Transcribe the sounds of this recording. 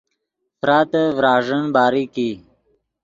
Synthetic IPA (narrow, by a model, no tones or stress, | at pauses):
fɾaːt̪əvɾɑːʐənbaːɾiki